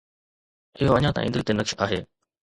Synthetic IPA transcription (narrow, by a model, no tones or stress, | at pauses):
ɪɦoɐɲãt̪a̰ʔḭ̃nd̪əɾt̪enɐkʃaːɦeː